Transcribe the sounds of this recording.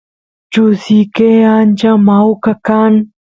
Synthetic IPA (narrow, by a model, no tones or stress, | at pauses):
t͡ʃusiːkeːaːnt͡ʃãmaːwkɐkaːn